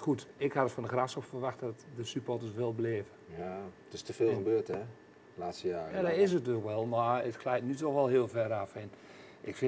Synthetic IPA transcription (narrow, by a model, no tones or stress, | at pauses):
xutɪkhadətfɔndəxrasɔpfərʋaxtdɔtdəsypɔtəsʋɪlˠbleːvəjatɪstəfɪːlˠxəbøːtɛ | laːtstəjaːjadɪs̬ət̚økʋɛlˠmarətklɛjtnytɔxʋɛlˠhɪəlˠvɛɾafɛn | ʔɪkfɪ